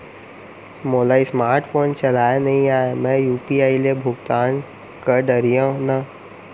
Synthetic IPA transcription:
moːlaismaːɾʈfoːnt͡ʃɐlaːenɐɦĩaːemɛ̃juːpiaːilebʱʊɡt̪aːn | kəɖəɾijãnɐ

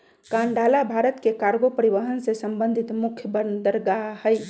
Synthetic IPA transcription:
kaɳɖʱalabʱaɾət̪kekaɾɡopəɾiʋəɦənsesəmbənd̪ʱit̪mukʰjəbənd̪əɾɡahəj

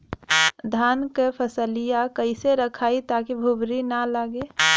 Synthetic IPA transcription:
d̪ʱaːnkepʰəsəlijakəɪseɾəkʰaːit̪akibʱubɾinalaːɡe

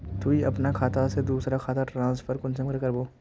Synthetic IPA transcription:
t̪ʰuːiɐpnakʰaːt̪ased̪uːsɾakʰaːt̪aʈɾãːnsfʰəɾkʊnsəmkəɾkɐɾboː

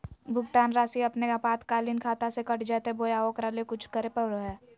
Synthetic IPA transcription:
bʱʊɡt̪aːnɾaːsiɐpnekapaːt̪kaːlinkʰaːt̪asekɐʈʰd͡ʒaːt̪ebojaːokɾaːlekʊt͡ʃʰkəɾepəɾəɦɛ

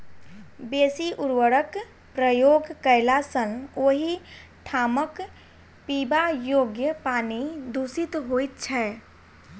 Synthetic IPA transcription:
beːsiʔuɾwəɾək | pɾəjoːɡkəɪlasənoːɦi | ʈʰaːmək | pibajoːɡjəpaːnid̪usit̪ɦojt̪̚t͡ʃʰɛ

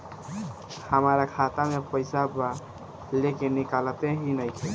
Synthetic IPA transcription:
həmɾakʰat̪amepəɪsaba | lekenikalət̪eɦinəjkʰe

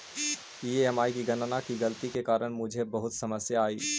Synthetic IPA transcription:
iːeɛmaːikiɡɐnnakiɡɐlət̪ikekaːɾəɽ̃mʊd͡ʒʱebɐɦʊt̪sɐməsjaaːiː

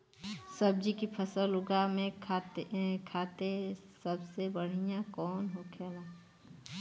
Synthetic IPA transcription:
səbd͡ʒikipʰəsəlʊɡamẽ | kʰaːt̪esəbsebəɽ̤ijãkɔːnɦokʰeːlaː

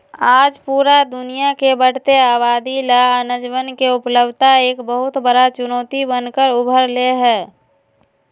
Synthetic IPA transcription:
aːd͡ʒpuːɾad̪ʊnijakebəɽ̤t̪eaːbaːd̪ilaənəd͡ʒʋənkeʊpləbʱt̪aeːkbəɦʊt̪bəɽat͡ʃʊnoːt̪ibənkəɾʊbʱəɾleɦɛː

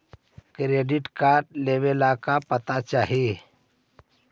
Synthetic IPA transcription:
kɾeːɖɪʈkaːɾʈleːwelakapət̪at͡ʃaːɦie

